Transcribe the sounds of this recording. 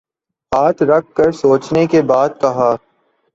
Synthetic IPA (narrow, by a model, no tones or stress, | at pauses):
ɦaːt̪ɾɐk̚ʰːɐɾsoːt͡ʃnekebaːd̪̚kɐɦaː